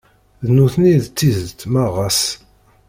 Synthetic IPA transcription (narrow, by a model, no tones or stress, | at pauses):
ðnuθniðt͡s̪ːizət̪maʁas